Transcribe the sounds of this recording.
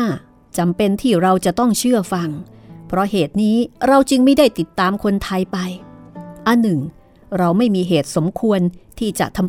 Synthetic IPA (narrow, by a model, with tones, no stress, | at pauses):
t͡ɕa˧mpe˧nt̪ʰiː˥˩ɾa˧wt͡ɕa˨˩ʔt̪ɔ˥˩ŋt͡ɕʰɯ˥˩ɐfa˧ŋpʰɾɔ˦˥heː˨˩t̪̚niː˦˥ɾa˧wt͡ɕɯ˧ŋma˥˩jdaː˥˩jt̪i˨˩t̪ːaː˧mkʰo˧nt̪ʰa˧jpa˧jʔa˧nːɯ˨˩ŋ | ɾa˧wma˥˩jmiː˧ɦeː˨˩t̪̚so˩˦mkʰu˧ənt̪ʰiː˥˩t͡ɕa̰˨˩ʔt̪ʰa˧m